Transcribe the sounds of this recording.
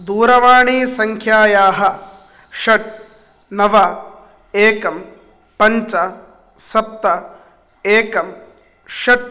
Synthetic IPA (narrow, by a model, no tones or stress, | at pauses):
d̪uːɾɐʋaːɳiːsɐŋkʰjaːjaːɦɐ̆ | ʃɐʈ̚ | nɐʋɐ | eːkɐm | pɐɲt͡ʃɐ | sɐp̚t̪ɐ | eːkɐm | ʃɐʈ̚